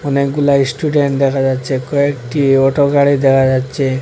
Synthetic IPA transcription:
ɔnekɡulaisʈuɖeɳʈd̪ɛkʰad͡ʒatːt͡ʃʰekɔekʈiɔʈoɡaɽid̪ɛkʰad͡ʒatːt͡ʃʰe

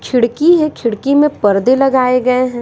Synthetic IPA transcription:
kʰɪɽkiɦɛ̃kʰɪɽkimẽpɐɾd̪elɐɡaːeɡɐeɦɛ̃ː

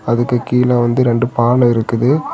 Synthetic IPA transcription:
ɐðɯkːɯkiːlɐʋɐnd̪ɯɾɛɳɖɯpaːɳɐɪɾɯkːɯðɯ

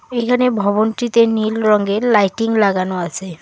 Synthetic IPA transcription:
ejkʰanebʱɔbonʈit̪enilɾɔŋɡelajʈiŋlaɡanoasʰe

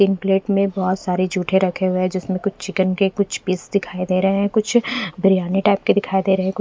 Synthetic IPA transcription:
iːnpleːʈmẽbɔːt̪saːɾed͡ʒʱuːʈʰẽɾɐkʰeɦʊeɦɛ̃d͡ʒɪsmẽkʊt͡ʃʰt͡ʃɪkənkekʊt͡ʃʰpiːsd̪ɪkʰaːid̪eːɾɐɦeɦɛ̃kʊt͡ʃʰbʱəɾijaːniʈaːɪp̚ked̪ɪkʰaːid̪eːɾɐɦeɛ̃kʊ

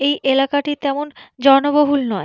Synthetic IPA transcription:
ejʔelakaʈit̪ɛmond͡ʑɔnoboɦulnɔe

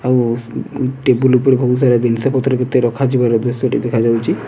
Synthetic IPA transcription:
aw | ʈebulupɔɾebʱous̬aɾad̪insapɔt̪ɾɔket̪eɾɔkʰad͡ʒibaɾɔd̪esɔʈid̪ekʰad͡ʒawt͡ʃʰi

